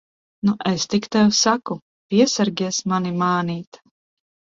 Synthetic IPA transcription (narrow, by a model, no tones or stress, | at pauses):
nuʔest̪ikt̪ɛwsaku | pʲiɛsaɾɡʲiɛsmanimaːniːt̪